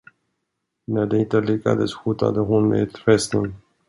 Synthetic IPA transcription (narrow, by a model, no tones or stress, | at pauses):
næɖɛnt̪əlɪkːa̰d̪ə̰sɧuːt̪a̰d̪əɦʊnɛ̰t̪fɛsnən